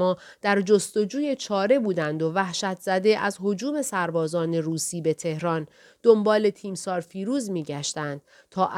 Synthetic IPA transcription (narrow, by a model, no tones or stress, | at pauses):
ɒː | d̪̥æɾd͡ʒo̞st̪o̞d͡ʒuːje̞t͡ʃʰɒːɾe̞buːd̪ænd̪o̞væhʃæt̪ʰz̥æd̪e̞ʔæzɦo̞d͡ʒuːme̞sæɾbɒːzɒːne̞ɾuːsiːbe̞t̪ʰe̞hɾɒn | d̪̥o̞mbɒːle̞t̪ʰiːmsɒːɾfiːɾuːzmiːɟæʃt̪ænd̪̥̚ | t̪ʰɒːʔ